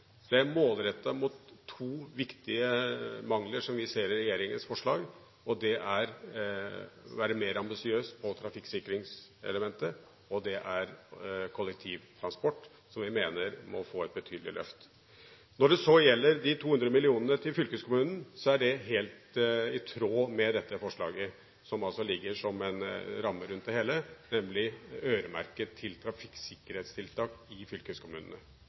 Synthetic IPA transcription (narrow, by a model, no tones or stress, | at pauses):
d̪̥ɛæɾmoːlɾɛt̪ːɑmʊt̪ʰːuːʋɪkt̪ɪəmɑŋləʂɔmʋɪseːɾɪɾɛjeːɾɪŋənsfɔʂɭɑːɡ | ɔd̪ɛʔæɾ | ʋæːɾəmeːɾɑmbɪsɪøːst̪pʰɔt̪ʰɾɑfɪkːsɪkːɾɪŋsɛ̰ləmɛnt̪ə | ɔd̪ɛʔæɾkʰɔlːɛk̚t̪ʰiːʋt̪ʰɾɑnspɔʈː | sɔmʋɪmeːnəɾmɔ̰foːɛt̪̚bət̪ʰyːd̪lɪ̰lʔœ̰ft̪ | nɔɖɛsɔjɛlːəɾd̪ɪt̪ʰuːhʉnd̪ɾəmɪlɪuːnənət̪ʰɪlfʏlkəskʰʊmʉːnn̩sɔæɖɛɦeːlt̪ɪt̪ʰɾoːmɛd̪ɛt̪ːəfɔʂɭɑ̰ːɡə | sɔmɑlsɔlɪɡːəʂɔmɛnɾɑmːəɾʉnt̪d̪ɛheːlənɛmlɪøːɾəmæ̰ɾkət̪ʰːɪlt̪ʰɾɑfɪkːsɪkːəɾheːt̪st̪ʰɪlt̪ʰɑːkɪfʏlkəøskʰʊmʉːnənə